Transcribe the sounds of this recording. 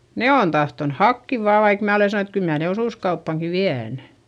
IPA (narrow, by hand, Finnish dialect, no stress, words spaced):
ne on tɑhton hɑkːi ʋɑː ʋɑik mæː ole sɑnon et kyl mæː ne osuˑskɑupːɑˑŋki ʋiæˑn